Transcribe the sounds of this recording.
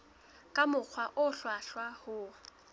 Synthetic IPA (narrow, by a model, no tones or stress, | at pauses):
kʼamʊq͡χʰwaʔʊɬwaɬwahʊ